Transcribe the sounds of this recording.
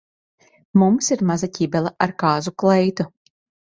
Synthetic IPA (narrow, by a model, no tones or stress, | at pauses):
mumsiɾmazacʲibɛlˠaʔaɾkaːzuklɛjt̪u